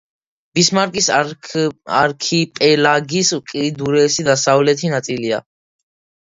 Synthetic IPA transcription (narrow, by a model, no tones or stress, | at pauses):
b̥ismaɾkʼis | a̰ɾkʰipʼɛlaɡiskʼid̪uɾɛːsid̪asavlɛt̪ʰinat̪sʼilia̰